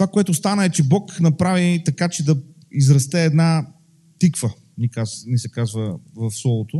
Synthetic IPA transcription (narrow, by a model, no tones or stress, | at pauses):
t̪ovakoɛt̪ʊst̪anəɛt͡ʃɛbɔknɐpɾavit̪ɐkat͡ʃɛd̪ɐ | izɾɐst̪ɛːd̪na | t̪ikvə | nikaznisɛkazvəvɐfslˠɔlˠot̪o